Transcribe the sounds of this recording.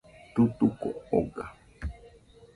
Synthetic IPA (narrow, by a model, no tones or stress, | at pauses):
t̪ut̪ukoo̰ɡa